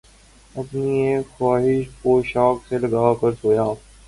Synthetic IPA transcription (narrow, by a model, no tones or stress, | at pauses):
ɐpniexaːɦɪʃkoːʃaːkselɐɡaːkɐɾsoːjaː